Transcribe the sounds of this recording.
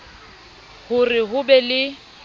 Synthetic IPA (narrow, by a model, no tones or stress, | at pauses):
hʊrɪɦʊbɛlɪ